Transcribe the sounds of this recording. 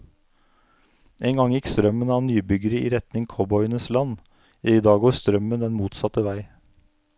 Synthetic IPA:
ʔeːŋɡɑŋjɪkst̪ɾœmənɑːnyːbʏɡəɾəḭːɾɛt̪nɪŋkʰɔbɔʏənəslɑnː | d̪ɑːɡoːst̪ɾœmənd̪ɛnmuːt̪sɑt̪əʋæɪ

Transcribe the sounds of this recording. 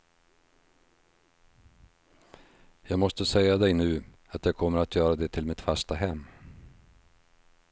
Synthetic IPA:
jɑːɡmɔst̪əsɛjːad̪ɛjnʉ̟ː | at̪jɑɡkʰɔmːəɾat̪ʰjœːɾad̪ɛt̪ʰɪlmɪt̪fast̪aɦɛmː

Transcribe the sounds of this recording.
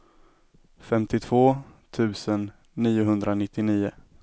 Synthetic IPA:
fɛmt̪ɪt̪ʰv̥oːt̪ʰʉ̟ːsənː | iːʊɦɵnd̪ɾanɪt̪ːɪniːʊ

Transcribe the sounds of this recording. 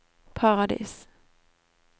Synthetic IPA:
pʰaʁad̪ḭːs

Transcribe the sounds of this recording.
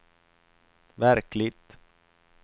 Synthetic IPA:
væɾklɪɡt̪

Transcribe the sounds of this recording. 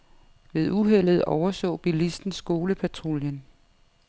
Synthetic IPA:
ʋe̝ð̞ˠuɦel̰ð̞̩ˠɒʊɐsɔ̰̽ːb̥ilisd̥n̩sɡ̥o̝ːləpʰæt͡sʰʁoljən

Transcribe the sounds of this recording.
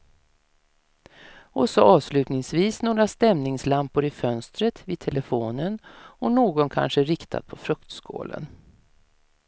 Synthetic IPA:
ɔsɔʔɑːvslʉ̟ːt̪nɪŋsviːsnoːɡɾast̪ɛmnɪŋslampʊɾɪfœnst̪ɾət̪viːd̪̚t̪ʰɛləfoːnənɔnoːɡɔnkʰa̰nʂəɾɪkt̪ʰa̰d̪̚pʰɔfɾœkt̪skʰo̰ːlə̰n

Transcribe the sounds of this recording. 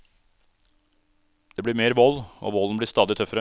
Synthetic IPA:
d̪̥eːbɽiːɾmeːɾʋɔlo̰ːʋɔln̩bɽiːst̪ɑːd̪ɪt̪ʰœfəɾə

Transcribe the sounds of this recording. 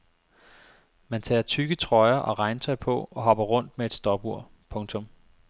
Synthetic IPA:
mænt͡sʰɛ̰ːɐt͡sʰyɡ̥ət͡sʰʁɒ̽ɪɐʔɒ̽ʁɑ̈ɪnt͡sʰɒ̽ɪpʰɒ̽ɒ̽ɦɒ̽b̥ɐʁɔ̽n̰d̥mee̝d̥sd̥ɒb̥uɐ̰ | pʰɔ̽ŋt͡sʰɔ̽m

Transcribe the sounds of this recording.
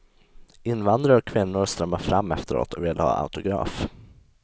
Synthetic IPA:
ɪnːvand̪ɾaɾɔkʰːvɪnːʊɾst̪ɾœmːafɾamːɛft̪əɾo̰ːt̪ɔveːlhɑ̰ːʔa̰ʊt̪ʊɡɾɑ̰ːf

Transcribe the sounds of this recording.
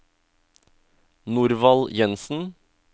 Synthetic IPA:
nuɾʋɑljɛnsn̩

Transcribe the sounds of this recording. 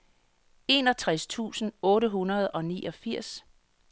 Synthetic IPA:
e̝nɒ̽t͡sʰʁast͡sʰṵːsn̩ɔ̽ːɾəɦunɐð̞̩ˠɒ̽niːʔɒ̽fiɐ̰s

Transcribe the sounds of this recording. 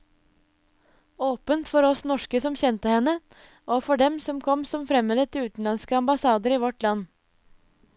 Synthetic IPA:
oːpənt̪fɔɾɔsnɔʂkəsɔmçɛnt̪əhɛnːə | ʔoːfɔɖɛmsɔmkʰɔmsɔmfɾɛmːələt̪ʰɪʉːt̪n̩lɑnskəɑmbɑsɑːd̪əɾiːʋɔʈlɑnː

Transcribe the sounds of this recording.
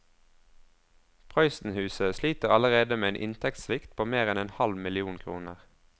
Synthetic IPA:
pʰʁɑʏsn̩hʉːsəsliːt̪əʁɑləʁeːd̪əmeːeːnʔɪ̰nt̪ʰɛkt̪slɪkt̪̚pʰoːmeːʁɛneːnhɑlmɪlɪuːnkʰʁṵːnəʁ

